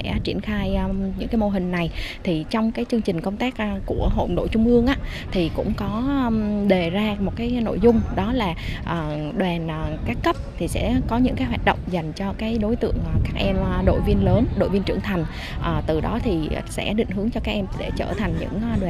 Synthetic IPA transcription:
ɛ̰˧˥t͡ɕḭ˧˩ənxaː˧jɲɨ̰˧˥ŋkaː˨˦jmo˧ɦï˨˩ŋ̟na˨˩jt̪ʰi˨˩t͡ɕɔ˧wŋ͡mkaː˨˦jt͡ɕɨ˧əŋt͡ɕï˨˩ŋ̟kə˧wŋ͡mt̪aː˦˥k̚ːku˧˩əɦo̰˧˨nɗo̰˧˨t͡ɕʊ˧ŋ͡mʔɨ˧əŋʔaː˧˥ | t̪ʰi˨˩kʊ̰˧˥ŋ͡mkɔ˨˦˧ɗe˨˩zaː˧mo˨˩t̚kaː˨˦jno̰˧˨jzʊ˧ŋ͡mɗɔ˨˦laː˨˩ʔəː˨˩ | ɗwɛ˨˩nʔkaː˦˥kːə˦˥p̚t̪ʰi˨˩sɛ̰˧˥kɔ˨˦ɲɨ̰˧˥ŋkaː˨˦jɦwaː˨˩t̚ɗə̰˧˨wŋ͡mza˨˩jŋ̟t͡ɕɔ˧kaː˨˦jɗo˨˦jt̪ɨ̰˧˨əŋʔːkaː˦˥k̚ʔɛ˧mʔɗo̰˧˨jvi˧ənləː˨˦nɗo̰˧˨jvi˧nt͡ɕɨ̰˧˩əŋt̪ʰa˨˩jŋ̟ | ʔəː˨˩t̪ɨ˨˩ɗɔ˨˦t̪ʰi˨˩sɛ̰˧˥ɗḭ˧˨ŋ̟ɦɨ˨˦əŋt͡ɕɔ˧kaː˦˥k̚ʔɛ˧mɗe˧˩t͡ɕəː˧˩t̪ʰa˨˩jŋɲɨ̰˧˥ŋ˧ɗwɛ˨˩

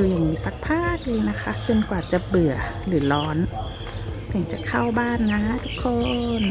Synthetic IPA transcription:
uː˨˩ja˨˩ŋmiː˦˥sa˧˦˥k̚pʰaː˥˩k̚lɯː˧˩na˦˥kʰa˦˥t͡ɕo˧nkwaː˨˩t͡ɕa˨˩bɯ˨˩ɐlɯː˩˦lɔː˦˥n | t̪ʰɯ˩˦ŋt͡ɕa˨˧˩kʰa˥˩wbaː˥˩nːa˦˥t̪ʰu˦˥kʰːo˧n

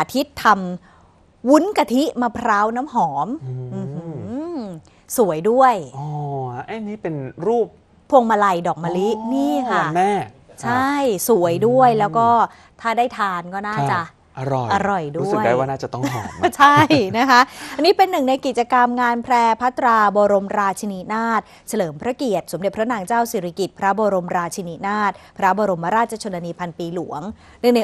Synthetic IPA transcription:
ʔaː˧˩t̪ʰi˦˥t̪ʰːa˧m | wu˦˥nka˧t̪ʰi˦˥maː˧pʰɾaː˦˥wnaː˦˥mɦɔː˩˦mʔɯː˧˩ɯ˧ | su˨˩˦əjdu˥˩əjɔː˧ʔa˧˦˩jniː˦˥˩pe˧nɾuː˥˩p̚ʰː | u˧əŋma˧la˧jdɔː˨˩k̚ma˧li˦˥niː˥˩kʰa˥˩mɛː˥˩t͡ɕʰa˥˩jsu˩˦əjdu˥˩əjlɛː˦˥wkɔː˥˩ | t̪ʰaː˥˩daː˥˩jt̪ʰaː˧nkɔː˥˩naː˩˥˧t͡ɕa˨˩ʔ | ʔa˧ɾɔ˨˩ʔa˧ɾɔ˨˩jdu˦˥sɯ˨da˦waː˥˩naː˥˩t͡ɕa˨˩t̪ɔ˥ŋʰɔː˨˦t͡ɕʰa˥˩jna˦˥kʰa˦˥ʔʔa˧nːiː˦˥pe˧nːɯ˨˩ŋna˧jki˨˩t̪̚t͡ɕa˧ka˧mŋaː˧npʰlɛː˧pʰa˦˥t̪ːɾaː˧bɔː˧ɾo˧mɾaː˧t̪̚t͡ɕʰi˧ni˦˥naː˥˩t̪̚ | sa˧lɤː˩˦mpʰɾa˦˥ki˨˩ət̪̚so˩˦mde˨˩pʰɾa˦˥naː˧ŋt͡ɕaː˥˩wsiː˨˩ɾʰa˧ki˨˩t̪̚pʰɾa˦˥bɔː˧ɾo˧mɾaː˧t̪̚t͡ɕʰi˧ni˦˥naː˥˩t̪̚pʰɾa˦˥bɔː˧ɾo˧mpʰa˦ɾaː˥˩t͡ɕa˧t͡ɕʰoː˧nːa˧niː˧pʰa˧npiː˧lu˩˦əŋ | nɯ˥˩ŋna˧j

